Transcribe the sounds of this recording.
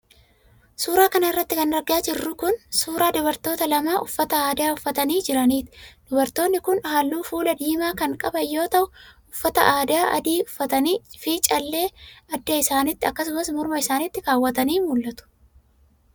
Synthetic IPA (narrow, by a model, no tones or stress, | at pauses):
suːɾaːkɐnɐɪrːɐt̪ːɪkɐnɐɡɪaːd͡ʒɪrːʊkʊnsuːɾaːd̪ʊbɐɾt̪o̞ːt̪ɐlɐmaːʔʊfːɐt̪ɐaːd̪ɪaːʊfːɐt̪ɐniːd͡ʒɪɾɐniːt̪ɪ̥d̪̥ʊbɐɾt̪o̞ːnːɪkʊnhaːlːuːfuːlɐd̪iːmaːkɐŋkʼɐbɐjːo̞ːt̪ɐʔʊ | ʊfːɐt̪ɐ̰ʔaːd̪ɪaːʔɐ̰d̪iːʊfːɐt̪ɐniːfiːt͡ʃʼɐlːe̞ːɐd̪ːɐɪsaːnɪt̪ːɪɐkːɐsʊmɐsmʊɾmɐɪsaːnɪt̪ːɪɾaːwːɐt̪ɐniːmʊlːɐt̪ʊ̥